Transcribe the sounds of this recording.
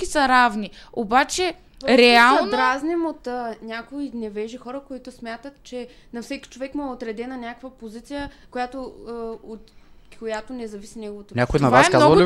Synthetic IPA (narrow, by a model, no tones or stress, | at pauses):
kisɐɾavniobat͡ʃɛ | ɾɛalˠd̪ɾaznɛmot̪ːnʲakoinɛvɛʒixɔɾəkoit̪ʊsmʲjat̪ət̪t͡ʃɛ | nɐfsɛkʲi̥t͡ʃovɛkmoɛot̪ɾɛd̪ɛnɐnʲakəkvəpozit̪sijəkojat̪oot̪kʰojat̪onɛzɐvisinɛɡovot̪oɲʲakoinɐvvasɛmkaznɔvli